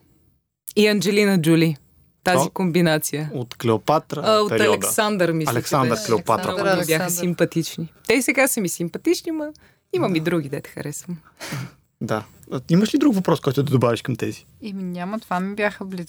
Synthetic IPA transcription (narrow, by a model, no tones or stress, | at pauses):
iɐnd͡ʒɛlinəd͡ʒuli | t̪azikombinat̪sijəot̪klɛopat̪ɾəopɛɾɐlɛdk̪əsand̪ɾmisɐlɛksand̪ɾklɛopat̪ɾəɐbjaxəsimpɐt̪it͡ʃnit̪ɛsɛɡasəmisimpɐt̪it͡ʃnimɐ | imɐmid̪ɾuɡid̪ɛt̪ɛ̥xɐ̰ɾɛsvəm | d̪a | iməʃlid̪ɾukvɐpɾɔskɔjt̪ʊd̪ɐd̪obaviʃkɐmt̪ɛzi̥ | imiɲʲamət̪vanibʲjaxəbliz